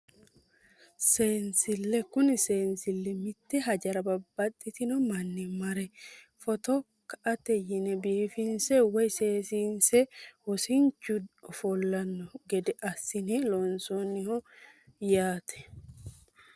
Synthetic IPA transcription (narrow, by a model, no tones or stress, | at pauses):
seːnsɪlːɛkʊnɪseːnsɪlːɛmɪt̪ːɛɦɐd͡ʒɐɾɐbɐbːɐt̪ʼːɪt̪ɪnɔmɐnːɪmɐɾɛ | fɔt̪ɔ | kɐʔɐt̪ɛjɪnɛbiːfɪnsɛwɔjse̞ːsiːnsɛhɔsɪɲt͡ʃːʊfɔlːɐnːɔɡɛd̪ɛʔɐsːɪnɛlonsonːɪhɔjaːt̪ʰɛ̥